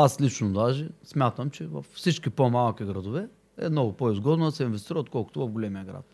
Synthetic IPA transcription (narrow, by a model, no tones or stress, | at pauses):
aslit͡ʃnod̪aʒɛsmʲat̪əmt͡ʃɛvɐ̰fsit͡ʃkʲipomalˠkʲiɡɾɐd̪ʊvɛ | ɛ̰mnɔɡʊpoizɡɔd̪nod̪ɐsɛinvɛst̪iɾvot̪̚kɔlˠkʊ̥t̪ʊvɐvɡolʲɛmiəɡɾa̰t̪̚